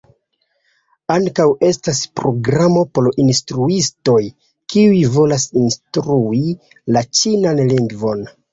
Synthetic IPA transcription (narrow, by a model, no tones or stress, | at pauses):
aŋkawe̞staspɾo̞ɡɾamo̞po̞ɾinstɾuisto̞j | kiujvo̞lasinstɾui | lat͡ʃinanliŋɡvo̞n